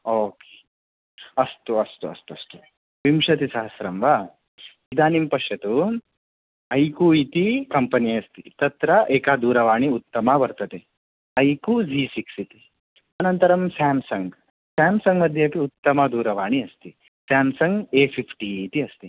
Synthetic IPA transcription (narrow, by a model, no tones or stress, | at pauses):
oːke̥ː | ɐst̪uɐst̪uɐ̰st̪uɐst̪u | ʋimʃɐt̪̬isɐɦɐsɾɐmʋa | id̪aːnimpɐʂɐt̪u | ɐjkuit̪ikɐmpɐniɐst̪ḭt̪ɐt̪ɾɐʔeːkaːd̪uːɾɐʋaːɳiut̪ːɐmabɐɾt̪ɐt̪e | ɐjkud͡ʒiːsiksit̪i̥ | ɐnɐnt̪ɐɾɐmsaːmsɐŋɡ | saːmsɐŋɡmɐd̪ʱjakiut̪ːɐmad̪uːɾɐʋaːɳiɐst̪i | saːmsɐŋɡeːpʰipʰʈiːt̪iɐst̪i